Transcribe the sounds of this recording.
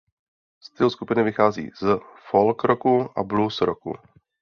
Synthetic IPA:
st̪ɪluskupɪnɪvɪxaːzḭːzfolkɾokuʔa̰blusɾokṵ

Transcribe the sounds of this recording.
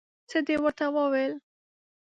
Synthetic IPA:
t͡səd̪ewəɾt̪awəwel

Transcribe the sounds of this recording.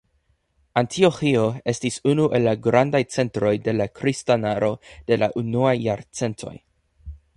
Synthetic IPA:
antʰio̞xio̞e̞stisunuʔe̞lːaɡɾandajt͡se̞ntɾo̞jde̞lakɾistanaɾʔo̞d̥e̞laʔunuajːaɾt͡se̞ntʰo̞̰j

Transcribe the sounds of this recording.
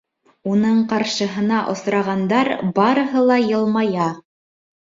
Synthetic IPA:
unɤɴqɑɾʃɤ̆ɦɤ̆nɑʔŏsɾɑʁɑnd̪ɑɾbɑɾɤ̆ɦɤlˠɑjɤ̆lˠmɑjɑ

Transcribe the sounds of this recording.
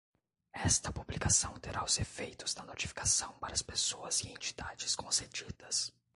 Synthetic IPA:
ɛst̪ɐpublikasɐ̃w̃t̪eɾʔaʊzefejt̪ʊz̥d̪ɐnot͡ʃi̥fi̥kḁsɐ̃w̃paɾɐspesoɐziẽnt͡ʃi̥d̪̥ad͡ʒɪskõsed͡ʒid̪ɐs

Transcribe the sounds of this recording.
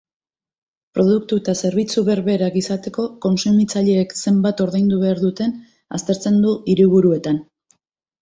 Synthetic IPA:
pɾo̞ð̞uk̚t̪uet̪ase̞ɾβit͡suβe̞ɾβe̞ɾaɡisat̪e̞ko̞ko̞nsumit͡saʎe̞ːkse̞mbat̪o̞ɾðejnd̪uβe̞aɾðut̪e̞n | a̰st̪e̞ɾt͡se̞nd̪uiɾiβuɾue̞t̪an

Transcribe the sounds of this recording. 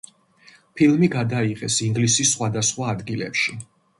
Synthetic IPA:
pʰilˠmiɡad̪aiqʼɛsiŋɡlisisːχwad̪asχwaːd̪ɡilɛ̰pʃi

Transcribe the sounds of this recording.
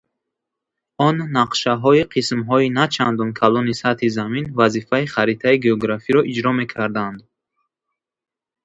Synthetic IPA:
ɔnːaqʃaɦɔiqʰismɦɔinat͡ʃʰand̪ɔnkʰalɔnisat̪hizaminvazifaiχaɾit̪ʰaiɡeɔɡɾafiɾɔʔid͡ʒɾɔme̞kʰaɾd̪and̪

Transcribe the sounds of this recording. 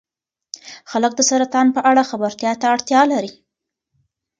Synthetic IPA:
xalək̚d̪əsaɾat̪ɑnpəʔaɽaxabaɾt̪jɑt̪aːɽt̪jɑlaɾi

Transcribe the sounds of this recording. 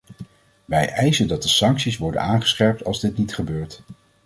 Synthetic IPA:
ʋɛjʔɛjzəndɑt̚dəsɑŋksisʋɔɹdə̰naːnχə̥sχɛɹp̚tɑ̰lˠzdɪtnitχəbøːɹt

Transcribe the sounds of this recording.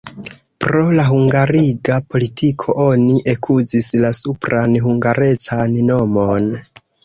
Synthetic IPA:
pɾo̞laɦuŋɡaɾiɡapʰo̞litʰikʰo̞ʔo̞niʔekʰuzislasupɾanɦuŋɡaɾe̞t͡sanno̞mo̞n

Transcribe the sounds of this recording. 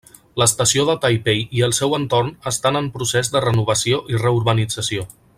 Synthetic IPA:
ləst̪əsioðət̪ajpejiəlˠsɛwənt̪ornəst̪anəmpɾusezd̪ərənuβ̞əsioʔirəuɾβənid͡zəsio

